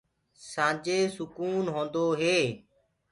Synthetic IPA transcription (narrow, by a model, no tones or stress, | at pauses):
sãːd͡ʒeːsʊkuːnɦõːnd̪oːɦeː